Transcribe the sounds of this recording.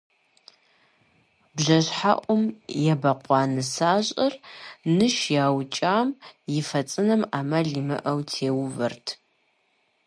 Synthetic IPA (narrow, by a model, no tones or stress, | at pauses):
bʑɐɕħaʔʷʼʊmjɛbɐqʷɑːnɨsaːʑʼɐrnɨʃjaːwt͡ʃʼaːmjɪfɐt͡sʼɨnɐmaːmɐɮimɨ̰ʔɐwtʰeːwʊvɐ̰rtʰ